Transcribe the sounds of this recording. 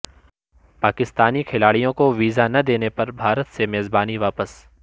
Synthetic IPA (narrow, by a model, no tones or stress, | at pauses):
paːkɪst̪aːnikʰɪlaːɽijõkoʋiːzanɐd̪eːnepɐɾbʱaːɾət̪semeːzbaːniʋaːpəs